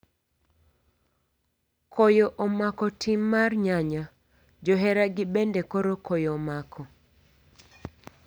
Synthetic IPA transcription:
kʰojoʔomakɔtʰimːarɲaɲa | d͡ʒɔɦɛɾaɡɪbendekoɾokʰojɔmakʰɔ

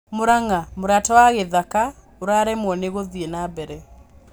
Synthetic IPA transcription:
moɾaŋamoɾatɔwaɣeðaka | oɾaɾɛmwɔneɣoðienabɛɾɛ

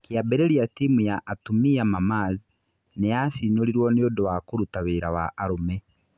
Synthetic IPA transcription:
kiabeɾeliatimujaʔːtumiamamaːzi | nejasinoliɾwonijodowakuɾutaβiɾawa̰ʔːɾume

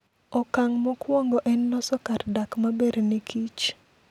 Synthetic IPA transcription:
ɔkaŋmɔkwɔŋɡɔʔɛnːɔsɔkardakmabeɾnekʰit͡ʃ

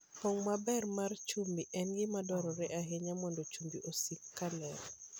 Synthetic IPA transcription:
pɔŋmabɛrmart͡ʃumbiʔɛnɡɪmadɔɾɔɾɛʔaɦeɲamɔndot͡ʃumbiʔosikːalɛɾ

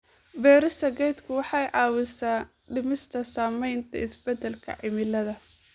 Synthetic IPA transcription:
bɛːɾɪsɐɡɛjd̪kʰʊwɑħɑjʕɑːwɪsaː | ɖɪmɪst̪ʰɐsaːmɛjnt̪ʰɐ̰ɪsbɛd̪ɛlkʰɐ̰ʕɪmɪlɐðɐ

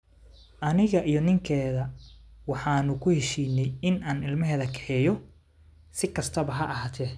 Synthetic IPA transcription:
ʔɐnɪɣɐʔijɞnɪŋkʰɛːðɐwɑħɑːnʊkʰʊhɛʃiːnːɛjɪnaːnɪlmɐɦɛːðɐkʰɛ̥ħɛjɔ | sɪkʰɐst̪ʰɐβɐɦɐʔːɦaːt̪ʰɛː

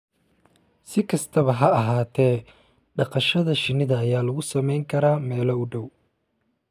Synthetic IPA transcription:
sɪkʰɐst̪ʰɐβɐɦɐɐɦaːt̪ʰɛː | ɖɑqɑʃɐðɐʃɪnɪðɐːjaːlɐɣʊsɐmɛjŋkʰɐɾaːmɛːlɐʊɖɔw

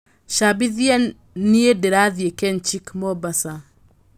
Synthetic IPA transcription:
ʃabiðja | niedɛɾaðiekɛnt͡ʃikmɔbasa

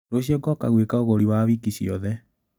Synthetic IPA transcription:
ɾoɕiɔɡɔka̰ɣwekaoɣoɾiwaβikiɕiɔ̰ðɛ

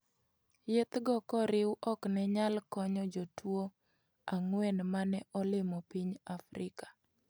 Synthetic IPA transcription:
jet̪ɡɔkɔɾɪwʔɔknɛɲalkɔɲɔd͡ʒotwo | aŋwɛnmanɛʔɔlɪmɔpiɲafɾɪkḁ

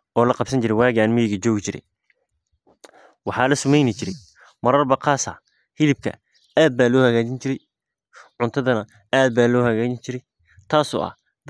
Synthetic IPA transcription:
ʔɔːlɐqɑbsɐɲt͡ʃɪɾɛjwaːɣaːnmɛjɪɣɐt͡ʃɔːɣɪt͡ʃɪɾɛ̰j | wɑħɑːlɐsʊmɛjnɪt͡ʃɪɾɛj | mɐɾɐrbɐqʰɑːsɐ̰ | hɪðɪb̚kʰɐ̰ | aːd̪̚baːlɔːhɐɣaːt͡ʃɪnt͡ʃɪɾɛj | ʕʊnt̪ʰɐðɐnɐ | aːd̪̚baːlɔːhɐɣaːt͡ʃɪnt͡ʃɪɾɛj | t̪ʰaːsɔ̰ːʔɐ̰h | d̪

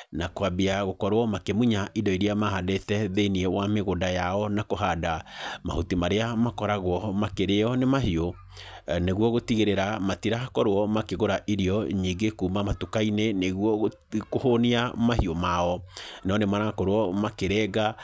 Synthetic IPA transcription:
nakoabiaɣokɔɾwɔmakemuɲaʔidɔiɾiamahadetɛðeniɛwameɣodajaɔnakoɦadama̰hotimaɾeamakɔɾaɣwɔmakeɾeɔnemaɦio | neɣwɔɣotiɣeɾeɾamatiɾakɔɾoɔmakeɣoɾaʔiɾiɔɲiŋɡekuːmamatukaineneɣwɔ | kohoniamahiomaɔnɔnemanakɔɾwɔmakeɾɛːɣa

